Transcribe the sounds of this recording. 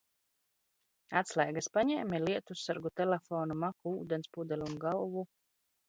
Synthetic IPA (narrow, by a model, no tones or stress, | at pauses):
at̪slˠajɡaspaɲɛːmiliɛt̪ussaɾɡut̪ɛlʲɛfɔːnumakuuːd̪ɛnspud̪ɛlʲunɡalvu